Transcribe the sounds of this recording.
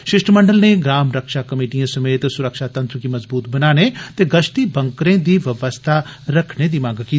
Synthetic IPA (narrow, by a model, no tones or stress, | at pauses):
ʃɪʃʈʰmə̃ɳɖəlneɡɾaːmɾəkʃakɐmeːʈijãsɐmeːt̪sʊɾəkʃat̪ɐ̃nt̪ɾəkimɐzbuːt̪bɐnaːnet̪eɡɐʃʈ̪ibɐ̃ŋkɾẽːd̪iːʋɐʋəst̪ʰaɾɐkʰned̪iːmãːŋɡkiː